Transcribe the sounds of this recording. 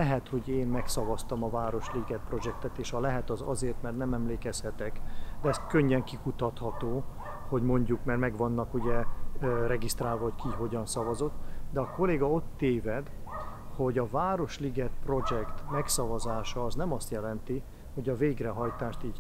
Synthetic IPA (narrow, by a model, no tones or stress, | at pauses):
ɛɦɛt̪ho̞ɟeːnmɛksɒvɒst̪ɒmɒvaːɾo̞ʃliɡɛt̪̚pro̞d͡ʒɛk̚t̪ɛt̪eːʃhɒlɛɦɛt̪ɒzɒ̰zeːrt̪mɛrt̪nɛmɛmleːkɛshɛt̪ɛkd̪ɛɛst̪køɲːɛŋkikut̪ɒt̪hɒt̪oː | ho̞ɟmo̞ɲɟukmɛrmɛɡvɒnːɒkuɟɛrɛɡist̪raːlvɒɦockiɦo̞ɟɒnsɒvɒzo̞t̪ːd̪ɛɒko̞leːɡɒo̞t̪ːeːvɛd̪ho̞ɟɒvaːɾo̞ʃliɡɛt̪̚pro̞d͡ʒɛkt̪mɛksɒvɒzaːʃɒːznɛmɒst̪jɛlɛnt̪i | ho̞ɟɒveːɡrɛɦɒjt̪aːʃt̪iːɟ